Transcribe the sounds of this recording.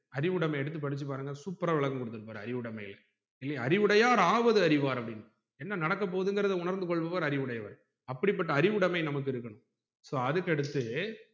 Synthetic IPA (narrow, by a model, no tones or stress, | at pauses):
ɐɾɪʋɯɽɐmɐɪɛɽɯt̪ːɯpɐɽɯt͡ʃːɯpaːɾɯŋɡɐsupːɾɐʋɪɭɐkːɐmkɔɽɯt̪ːɯnɯpːaːɾɯɐɾɪʋɯɽɐmɐjɪlɐ | ɪlːɐjɐɾɪʋɯɽɐjaːɾaːʋɐðɯɐɾɪʋaːɾɐpːɐɽɪnːɯ | ɛnːɐnɐɽɐkːɐp̬oːðɯŋɡɐɾɐðɐʊɳɐɾnd̪ɯkɔɭʋɐpaːɾɐɾɪʋɯɽɐjɐʋɐ̰ɾ | ɐpːɐɽɪp̬ːɐʈːɐɐɾɪʋɯɽɐmɐɪnɐmɐk̬ːɪɾɯkːɐɳʊ̃m | soːɐðɯkːɛɽɯt̪ːɯ